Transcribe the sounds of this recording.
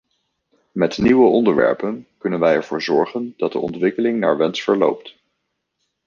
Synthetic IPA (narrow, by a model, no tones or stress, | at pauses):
mɛtniwəɔndəɹʋɛ̰ɹpənkɵnənʋɛjɛɹv̥ʊːɹzɔɹχənd̥ɑt̚də̰ʔɔ̰ntʋɪkəlɪŋna̰ːɹʋɛnsfəɹlo̰wp̚t